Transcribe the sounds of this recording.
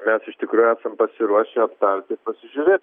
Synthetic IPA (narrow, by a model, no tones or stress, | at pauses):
mʲɛsɪʃt̪ʲɪkɾuːjʊæːsɐmpɐsʲɪɾuɔʃʲeɐpt̪ɐɾʲt̪ʲɪpɐsʲɪʒʲʊɾʲeːt̪